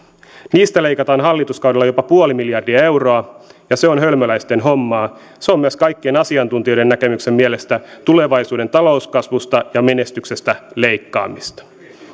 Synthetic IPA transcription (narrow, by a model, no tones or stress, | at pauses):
niːst̪æle̞jkɑt̪ɑːnɦɑlːit̪uskɑwdelːɑjo̞pɑpuolimiljɑrdiɑe̞wro̞ɑjɑse̞o̞nɦølmølæjst̪enɦomːɑː | seo̞mːyæskɑjkːienɑsiɑnt̪unt̪io̞jde̞nːækemyksemmiele̞st̪æt̪ule̞ʋɑjsuːde̞nt̪ɑlo̞uskɑsʋust̪ɑjɑme̞ne̞st̪ykse̞st̪æle̞jkːɑ̰ːmist̪ɑ̥